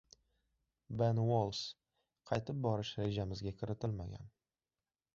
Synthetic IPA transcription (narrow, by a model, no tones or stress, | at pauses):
benwolˠs | qʰɑjt̪ɪp̚bɒɾɪʃɾe̞d͡ʒamɪzɡʲakʲʰɪɾɪt̪ʰɪlma̰ɡʲa̰n